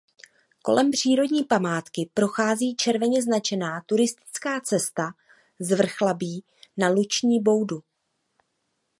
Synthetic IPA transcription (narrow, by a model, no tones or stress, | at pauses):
ko̞̰lʔɛmpr̝̥iːɾo̞dɲiːpamaːt̪kɪpɾo̞xaːziːt͡ʃɛɾvɛɲɛznat͡ʃɛnaːt̪uɾɪst̪ɪ̥t͡skaːt͡sɛst̪a | zvr̩xlabiː | nalut͡ʃɲiːbo̞wdu